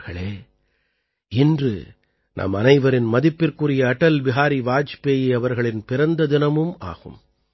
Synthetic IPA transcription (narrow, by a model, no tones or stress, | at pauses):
ɣɐɭeː | ɪndrɯ̰ | nʔɐ̰mɐnɐɪʋɐɾɪnmɐðɪpːɪrkɯrɪjɐːʈɐlbɪɣaːɾiʋaːt͡ʃpeːjiɐʋɐɾɣɐɭɪnpɪɾɐnd̪ɐðɪnɐmɯma̰ːɣɯ̰m